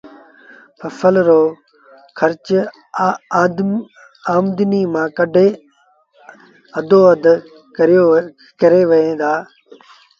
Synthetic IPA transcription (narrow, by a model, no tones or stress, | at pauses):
pɐfəlɾoː | kʰɐɾt͡ʃ | aːmd̪ɪniːmãːkəɖʱeː | ɐd̪ʱoːəd̪ | kɾjo | kɐɾeːʋɐɦẽːd̪aː